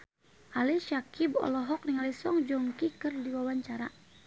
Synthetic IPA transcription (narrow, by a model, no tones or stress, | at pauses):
ʔalɛʃakibɔ̰lɔɦɔk̚niŋalɛsɔŋd͡ʒɔŋkikɨrdiwawaɲt͡ʃaɾa̰